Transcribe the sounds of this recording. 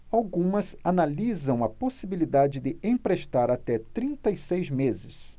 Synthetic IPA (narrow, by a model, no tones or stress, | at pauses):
awɡũmɐzanalizɐ̃w̃ɐposibilid̪ad͡ʒɪd̪ɪʔẽpɾeʃt̪aɾat̪ɛt̪ɾĩnt̪ɐisejzmezɪs